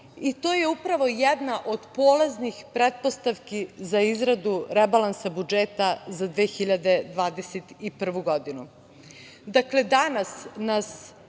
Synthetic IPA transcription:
it̪o̞ːjeupɾaʋo̞jɛd̪naʔo̞d̪poːleznixpɾet̪̚post̪aʋkizaizɾad̪uɾebalˠansabud͡ʒeːt̪azad̪ʋeːxiʎad̪e̞d̪ʋaːd̪eset̪ipr̩ʋuɡo̞d̪inu | d̪akle̞d̪anasnas

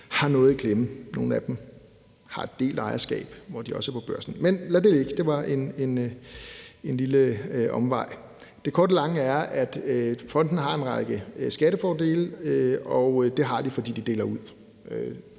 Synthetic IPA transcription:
hɑ̈nɔ̽ːð̩ˠkʰleməno̝ːn̩æd̥m̩ | hɑ̈e̝d̥e̝̰ːld̥ɑ̈ɪɐsɡ̥ɛ̰ːb̥ʋɒd̥iɒ̽səæɐpʰɒ̽b̥ɶɐ̰sn̩menlæd̥e̝leɡ̥d̥e̝ʋɑ̈ʔe̝ne̝n | e̝nliləʔɒ̽mʋɑ̈ɪ̰ | d̥e̝kʰɒ̰ːdəlɑ̈ŋəæɐæd̥øfʁɒ̽n̰d̥n̩ɦɑ̈e̝nʁɑ̈ɪɡ̥əsɡ̥æɾəfɒːde̝̰ːløɒ̽ʊd̥e̝ɦɑ̈d̥ifɒ̽dḭːd̥id̥e̝ːlɐuð̰ˠ | ø

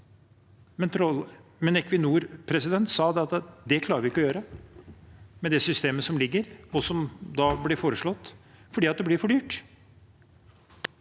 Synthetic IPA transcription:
mɛnt̪ɾɔmɛnɛkʋɪnuːɾpʰɾɛsɪd̪ɛnt̪sɑːd̪ɛɑt̪d̪ɛkʰlɑːɾʋɪɪkːɔjøːɾə | mɛd̪ɛsʏst̪eːməsɔmlɪɡːəɾɔsɔmd̪ɑblɪɾfoːɾəʂɭɔt̪ːfɔɖiːɑt̪̚d̪ɛblɪɾfɔɖyːʈ

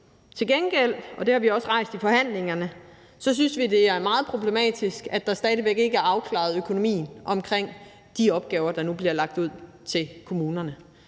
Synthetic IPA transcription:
t͡sʰe̝lɡ̥enɡ̥el̰ɒ̽d̥e̝hɑ̈ʋiɒ̽sʁɑ̈ɪ̰sd̥ifɒ̽hæn̰le̝ŋɐnə | sɒ̽s̬ynsʋid̥e̝æɐɐmɑ̈ːð̩ˠpʰʁo̝b̥le̝mɛ̰ːd̥isɡ̥æd̥ɑ̈sd̥ɛːð̞ˠəʋeɡ̥e̝ɡəæɐɑ̈ʊkʰlɑ̰̈ð̩ˠøkʰo̝no̝mḭːn̩ʔɒ̽mkʰʁeŋ̰ | d̥iɒ̽b̥̚ɡ̥ɛːʊɐd̥ɑ̈nub̥liɐlɑ̈ɡ̥̚d̥uð̰ˠ | t͡sʰe̝lkʰo̝muːnɐnə

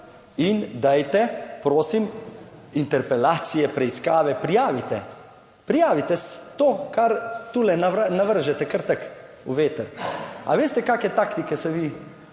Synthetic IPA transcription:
ind̪ajt̪ɛpɾoːsimint̪ɛɾpɛlaːt̪sijɛpɾɛiskaːʋɛpɾijaːʋit̪ɛ | pɾijaːʋit̪ɛst̪oːkaɾt̪uːlɛnanaʋəɾʒɛt̪ɛkəɾt̪ək | uʋeːt̪əɾa̰ʋeːst̪ɛkaːkɛt̪akt̪ikɛsɛʋiː

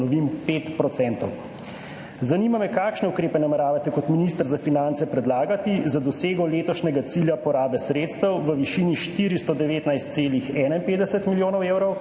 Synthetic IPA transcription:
ɔʋimpeːt̪pɾɔt̪sɛnt̪ɔ̰w | zaniːmamɛkakʃnɛukɾeːpɛnamɛɾaːʋat̪ɛkɔt̪minist̪əɾzafinant̪sɛpɾɛd̪laːɡat̪izad̪ɔseːɡɔleːt̪ɔʃnɛɡat̪siljapɔɾaːbɛsɾeːt̪st̪əwʋəʋiʃiːniʃt̪iːɾist̪ɔd̪ɛʋeːt̪najst̪seːlixɛːnainpeːd̪ɛsɛt̪miljoːnɔwewɾɔw

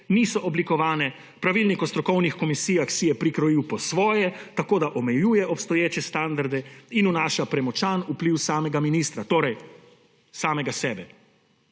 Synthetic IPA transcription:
niːsɔʔɔblikɔʋaːnɛ | pɾaʋilnikɔst̪ɾɔkɔwnixkɔmisiːjaxsijɛpɾikɾɔjiwpɔsʋɔːjɛt̪akoːd̪aʔɔmɛjuːjɛʔɔpst̪ɔjeːt͡ʃɛst̪and̪aɾd̪ɛinunaːʃapɾɛmɔt͡ʃaːnupliwsaːmɛɡaminiːst̪ɾat̪oːɾɛj | saːmɛɡasɛːbɛ

